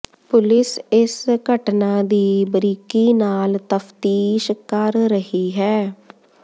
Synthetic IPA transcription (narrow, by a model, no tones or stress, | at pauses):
pʊlɪsɪsɡəʈnãːd̪iːbəɾiːkiːnaːlt̪əpʰt̪iːʃkəɾɾəɦiːɦɛː